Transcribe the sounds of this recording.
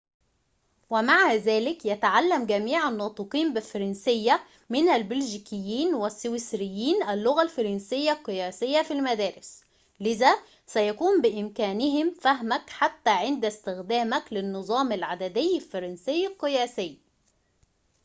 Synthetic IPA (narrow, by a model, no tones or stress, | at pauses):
wɪmaʕazæːlɪkjæt̪aʕalːæmɡæmiːʕanːɑːt̪ˤɨqiːmbɪlfɑɾˤɑnsɪjːa | mɪnælbɪlʒikɪjːiːnwɪsːʊwɪsɾɪjːiːnʔælːʊɣalfɑɾˤɑnsɪjːalqːɨjæːsɪjːafilmæd̪æːɾɪs | lɪðæː | sæjækuːmbɪʔɪmkæːnɪɦɪmfæɦmækħat̪ːæːʕɪnd̪æst̪ɪxd̪æːmæklɪnːɨzˤɑːmɪlʕad̪æd̪ɪjːalfɑɾˤɑnsɪjːlqːɨjæːsɪjː